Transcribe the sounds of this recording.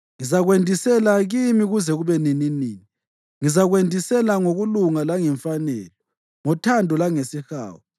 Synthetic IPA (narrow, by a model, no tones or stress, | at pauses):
ŋizaɣwendʱisɛlaɣimiɣuzɛɣuβɛnininiːni | ŋizaɣwendʱisɛlaŋoɣuluŋalaŋɛɱfanɛlɔ | ŋɔtʰandʱɔlaŋesixa̰ːwɔ